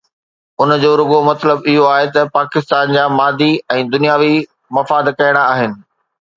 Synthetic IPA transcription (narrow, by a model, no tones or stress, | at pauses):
ʊnd͡ʑoːɾʊɡomɐt̪ləbɪɦoaːɦet̪ɐpaːkɪst̪aːnd͡ʑaːmaːd̪iɛ̃ːd̪ʊnijaːʋi | mɐfaːd̪kɐjəɽ̃aaːɦɪnɪ̆